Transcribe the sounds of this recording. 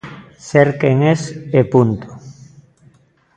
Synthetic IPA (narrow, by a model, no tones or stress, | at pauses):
seɾkeŋesepunt̪o̥